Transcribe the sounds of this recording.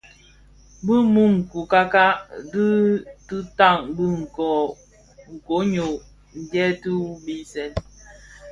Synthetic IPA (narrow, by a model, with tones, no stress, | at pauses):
bɨ˦mu˦ŋ̩˨ku˨ka˦ka˦di˦tɨ˦ta˦˨ŋbɨ˦ŋ̩˨kɔ˨ | ŋ̩˨ko˨˦ɲo˨ | n̩˨dɛ˦tu˦bi˦sɛ˨n